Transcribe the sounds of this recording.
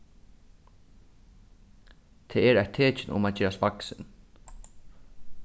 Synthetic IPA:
t̪ʰeːɛɾajt̪ʰːeːt͡ʃɪnʊ̰maːd͡ʒeːɾaspaksɪn

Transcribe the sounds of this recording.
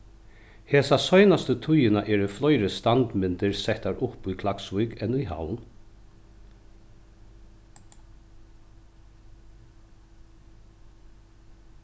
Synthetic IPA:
hɛːsasɔjnast̪ət̪ʰʊjɪnaʔɛːɾʏflɔjɾəst̪ant̪mɪnt̪ɪɾsɛht̪aɹʊhpujkʰlaksvʊjkɛnujɦa̰wn

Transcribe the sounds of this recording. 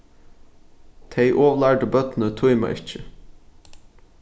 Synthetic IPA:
t̪ʰeɪʔoːʋəlæːɖəbœt̪nət̪ʰʊʏmɑ̰ʔɪ̰t͡ʃə

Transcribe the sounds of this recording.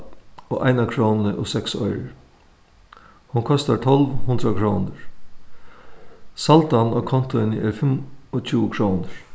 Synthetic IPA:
oːʔaɪnakʰɾoːnnəʔoːsɛksɔ̰ʏɾ | hunkʰɔst̪aʈ̪ʰɔlʋhʊnd̪ɾakʰɾoːnəɹ | salt̪anoːkʰɔnt̪ʊɪnəɛːɾfɪmɔt͡ʃʰuːkʰɾoːnəɹ

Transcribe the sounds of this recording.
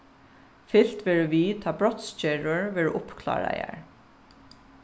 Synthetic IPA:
fɪl̥t̪ʋɛːɹʊʋiːt̪ʰɑːbɹɔt̪scɛɹʊɹʋɛːɹʔʊpkʰlɑ̰ːɹa̰ja̰ɹ

